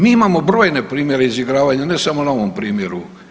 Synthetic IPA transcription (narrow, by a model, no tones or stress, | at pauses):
miːimamo̞bɾoːjne̞pɾiːmje̞ɾeiziɡɾaːʋaɲanesamonaoʋompɾiːmjeɾu